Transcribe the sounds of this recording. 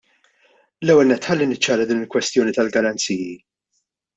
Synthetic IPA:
lɛwːɛlnɛt̪ːħɐlːinɪt͡ʃːɐːɾɐd̪iːnɪlkwɛst̪jɔːnit̪ɐlɡɐɾɐnt͡siːji

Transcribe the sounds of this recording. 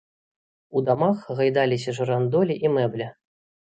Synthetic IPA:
ud̪ɑmɑχʁɤ̆jd̪ɑlʲiɕ̬ʲɘ̆ʐɤ̆rɑnd̪olʲiʔimɘbʲlʲɘ̆

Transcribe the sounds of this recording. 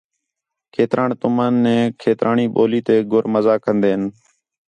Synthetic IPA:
kʰeːt̪ɾʔaːɳt̪ʊmaːnːẽːkʰeːt̪ɾʔaːɳiːɓoːliːt̪eːɡʱʊɾməzaːkənd̪eːɦən

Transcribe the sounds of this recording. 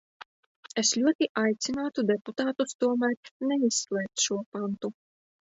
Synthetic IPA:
eslʲuɔt̪iʔajt̪sinaːt̪ud̪ɛput̪aːt̪ust̪uɔmæɾnɛisːlˠɛːk̚t̪ʃuɔpant̪u

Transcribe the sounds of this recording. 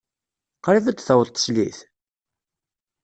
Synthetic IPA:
qɾivæd̪θəwɾt̪ˤːə̥sliθ

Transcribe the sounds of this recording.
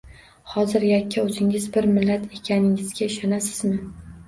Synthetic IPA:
hɒzɪɾjakʲːaɵzɪŋɪzbɪɾmɪlːat̪ʰe̞kʲʰanɪŋɪzɡʲaɪʃɒnasɪzmɪ

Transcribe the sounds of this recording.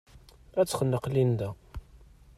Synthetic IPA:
æt͡sːχənːəqlind̪æ

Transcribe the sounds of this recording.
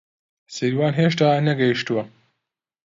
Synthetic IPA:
sɐɾiwaːnɦeːʃt̪aːnɐɡɐjiʃt̪uwɐ

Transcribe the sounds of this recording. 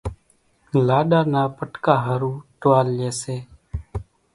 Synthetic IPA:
laːɗaːnaːpəʈkaːɦəɾuːʈʋaːlːeːseː

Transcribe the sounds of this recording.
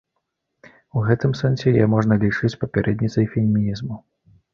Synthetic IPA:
uɣɛt̪ɨmsɛnsʲɛjɛmɔʐnɐlʲit͡ʂɨt͡sʲpɐpʲɛɾʔɛd̪nʲit̪sɐjfʲɛlʲmʲinʲizmu

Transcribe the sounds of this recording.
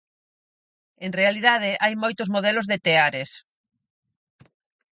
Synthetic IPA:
eŋrealið̞að̞ɪʔajmojt̪ʊzmoðɛlʊzðet̪eaɾes

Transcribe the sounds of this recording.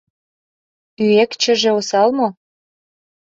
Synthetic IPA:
yekt͡ɕə̆ʒĕosɑlmo

